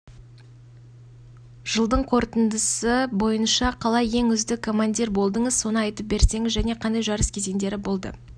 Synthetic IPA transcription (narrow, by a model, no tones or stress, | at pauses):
ʒ̥əlˠd̪əɴqʰo̞ɾt̪ənd̪əsəbo̞jənʃɑqʰɑlˠɑje̞ŋʏzd̪ɪkʰo̞mand̪ʲiɾbo̞lˠd̪əɴəzso̞nəɑjt̪əp̚be̞ɾse̞ŋɪzʒæneqʰɑnd̪ɑjʒɑɾəskʲʰe̞ze̞nd̪e̞ɾɪbo̞lˠd̪ə̰